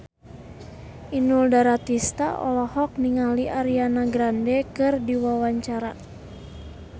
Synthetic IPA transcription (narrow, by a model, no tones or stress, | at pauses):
inuldaɾat̪ist̪a̰ʔɔ̰lɔhɔk̚niŋaliʔaɾianaɡɾandɛkɨrdiwawaɲt͡ʃaɾa